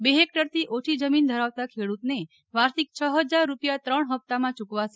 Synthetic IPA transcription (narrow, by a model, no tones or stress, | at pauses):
beɦek̚ʈəɾt̪ʰiʔoʈʰid͡ʒəmind̪ʱəɾaʋt̪akʰeɽut̪ne | ʋaɾsik̚t͡ʃʰəɦəd͡ʒaɾːupjat̪ɾəɳɦəp̚t̪amãt͡ʃukʋase